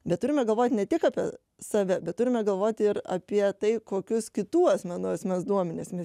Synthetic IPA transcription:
bʲɛt̪t̪ʊɾʲɪmʲɛɡɐlˠʋoːt̪ʲnʲɛt̪ʲɪkɑːpʲiɛ | sɐʋʲɛbʲɛt̪t̪ʊɾʲɪmʲɛɡɐlˠʋoːt̪ʲɪɾɐ̰pʲiɛt̪ɐɪkoːkʲʊskʲɪt̪uːɐsʲmʲɛnʊɐsmʲɛsd̪uɔmʲɛnʲesmʲɛs

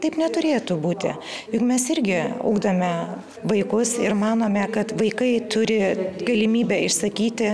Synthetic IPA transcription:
t̪ɐɪpnʲɛt̪ʊɾʲeːt̪ubuːt̪ʲɪ̰ | jʊkmʲɛsɪɾʲɡʲɪɐ̰ʊɡd̪ɐmʲɛ | ʋɐɪkʊsɪɾmɑːnoːmʲɛkɐt̪ʋɐɪkɐɪt̪ʊɾʲɪɡɐlʲɪmʲiːbʲɛɪʃsɐkʲiːt̪ʲɪ

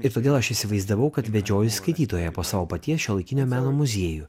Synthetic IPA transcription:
ɪɾt̪oːdʲeːlˠɐʃɪsʲɪʋɐɪzd̪ɐʋɐʊkɐt̪ʋʲɛd͡ʒʲoːjʊskɐɪt̪ʲiːt̪oːjɛpoːsɑːʋoːpɐt̪ʲiɛsʃʲuːlˠɐɪkʲɪnʲoːmʲæːnoːmʊzʲeɛju

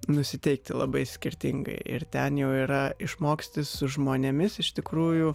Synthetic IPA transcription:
nʊsʲɪt̪ʲɛɪk̚t̪ʲɪlˠɐ̰bɐɪsʲkʲɪɾʲt̪ʲɪ̰ŋɡɐ̰ɪʔɪ̰rt̪ʲɛnjɛʊiːɾɐɪʃmoːksʲt̪ʲɪssʊʒmoːnʲemʲɪsɪʃt̪ʲɪkɾuːjʊ

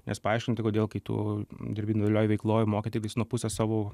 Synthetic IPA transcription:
nʲʔɛ̰spɐɑɪʃʲkʲɪnʲt̪ʲɪkoːd̪ʲeːlˠkɐɪt̪ṵːd̪ʲɪɾʲbʲiːndʲlʲoːjʋʲɛɪklˠoːjʊmoːkʲɪt̪ʲɪkt̪ʲɪsnuɔpʊsʲɛsɑːʋoː

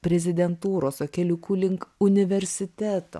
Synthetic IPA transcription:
pʲɾʲɛzʲɪd̪ʲɛnt̪uːɾoːsokʲɛlʲʊkuːlʲɪŋkʊnʲɪʋʲɛɾʲsʲɪt̪ʲæːt̪o̰ː

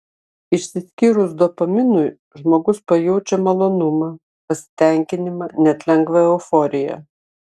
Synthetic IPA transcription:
ɪʃsʲɪsʲkʲiːɾʊsd̪opɐmʲɪnʊj | ʒmoːɡʊspɐjɛʊt͡ʃʲɛmɐlˠoːnʊmɐ | pɐsʲɪ̥t̪ʲɛŋʲkʲɪnʲɪmɐnʲɛt̪ʲlʲɛŋɡʋɐɛʊfɔːɾʲɪjɛ̰

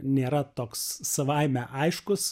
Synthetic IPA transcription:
nʲeːɾɐt̪oːkssɐʋɐɪmʲɛʔɐɪʃkʊs

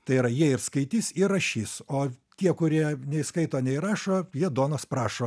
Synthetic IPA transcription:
t̪ɐɪiːɾɐjiɛɪrskɐɪt̪ʲiːsɪrɐʃʲiːsoːt̪ʲiɛkʊɾʲiɛnʲɛiskɐɪt̪oːnʲɛɪɾɑːʃoːjiɛd̪oːnoːspɾɑːʃoː

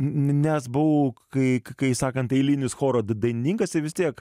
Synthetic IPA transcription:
nʲɛsbʊʋokɐɪkkɐɪsɑːkɐnt̪ɛɪlʲinʲɪsxoːɾoːd̪ɐɪnʲɪnʲiːŋkɐsʲɪʋʲɪst̪ʲiɛk

